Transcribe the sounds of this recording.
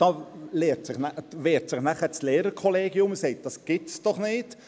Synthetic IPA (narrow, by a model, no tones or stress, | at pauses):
d̥ɑːleːɾtsɪχnæʋeːɾtsɪχnæχəslɛːɾəɾkʰɔleːɡiʊməseɪt̚d̥ɑsɡ̥ɪtsd̥ɔχnɪt